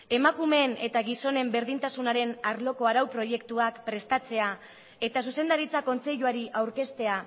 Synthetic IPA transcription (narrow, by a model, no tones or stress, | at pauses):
e̞makume̞ne̞t̪aɣiso̞ne̞mbe̞ɾðint̪asunaɾe̞naɾlo̞koaɾawpɾo̞je̞kt̪uakpɾe̞st̪at͡se̞a | e̞t̪as̬use̞nd̪aɾit͡sako̞nt͡se̞ʎuaɾiʔawɾke̞st̪e̞a